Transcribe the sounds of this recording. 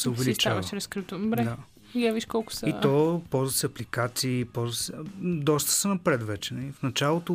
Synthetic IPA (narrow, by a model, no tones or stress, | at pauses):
sɛʊvɛlit͡ʃaɐʃɾɛskɾit̪ubɾɛd̪a | javiʃkɔlˠkʊ̥sɐit̪ɔpɔlˠzvɐsɛɐplikat̪siːpɔlˠzvɐsɛd̪ɔst̪ə̥sɛnɐpɾɛt̪vɛt͡ʃɛnɐlifnɐt͡ʃalˠot̪o